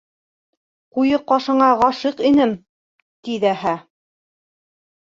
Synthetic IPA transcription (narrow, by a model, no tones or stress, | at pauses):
qujɤqːɑʃɤ̆ɴɑʁɑʃɤqinɘm | t̪iðæhæ